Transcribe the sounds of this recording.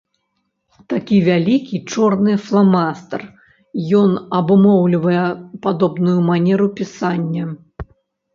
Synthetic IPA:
t̪akʲivʲalʲikʲit͡ʂɔrnɨflˠamast̪ɐr | jɔnɐbɨmɔwlʲivɐjɛpad̪ɔbnujumanʲɛɾupʲisanʲːɐ

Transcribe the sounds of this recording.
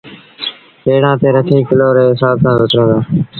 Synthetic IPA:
eːɽãːt̪eːɾət̪ʰiːkəloːɾeːɦɪsaːb̚sãːzət̪ɾə̃ːd̪oː

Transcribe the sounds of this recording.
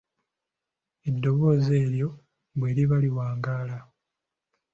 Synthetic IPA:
edːo̞βo̞ːze̞ːɾjo̞ | βwe̞ːɾiβaliwaːŋɡaːla

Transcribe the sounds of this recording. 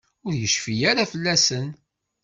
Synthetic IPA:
ʊɾjəʃfijaɾafəlːæsən

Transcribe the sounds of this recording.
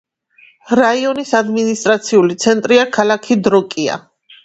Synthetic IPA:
ɾaiɔnisad̪minist̪ʼɾat̪sʰiulit̪sʰɛnt̪ʼɾiakʰalakʰid̪ɾɔkʼia̰

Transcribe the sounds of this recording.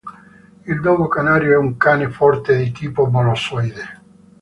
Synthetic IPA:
ild̪ɔːɡokanaːɾjoɛuŋkaːnefɔrt̪ed̪it̪iːpomalɔsɔjd̪e

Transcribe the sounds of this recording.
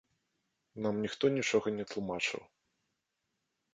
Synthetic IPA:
namnʲixt̪ɔnʲit͡ʂɔɣɐnʲɛt̪lˠumat͡ʂɨ̰w

